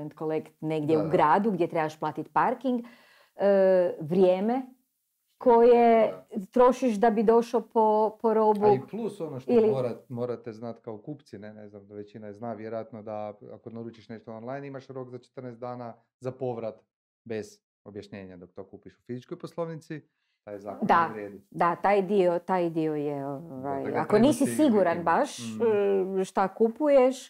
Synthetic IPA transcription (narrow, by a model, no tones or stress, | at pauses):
ent̪kolekt̪neɡd̪ʲjeuɡɾaːd̪uɡd̪ʲje̞t̪ɾebaʃplˠaːt̪it̪paɾkiŋɡ | ʋɾjeːme | kʰo̞jet̪ɾo̞ʃiʃd̪abid̪o̞ʃlopʰopoɾo̞buiplusonoʃtilioɾamoːɾat̪eznat̪kaokuːpt̪sineneznamd̪aʋet͡ʃinaeznaʋjeɾojat̪nod̪aa̰konaɾuːt͡ʃiʃneʃt̪oonlˠajnimaʃɾoːɡzat͡ʃe̥t̪ərneszt̪d̪aːna | zapoʋɾat̪ | be̞z̥ | objaʃɲe̞ːɲad̪ok̚t̪okuːpiʃu̥fizit͡ʃkojposlˠoʋnit̪si | t̪ajzaːkd̪aɾeːd̪id̪at̪aːjd̪iot̪ajd̪iojeoʋa̰ja̰koniːsisiɡuɾanbaʃ | ʃt̪akupujeʃ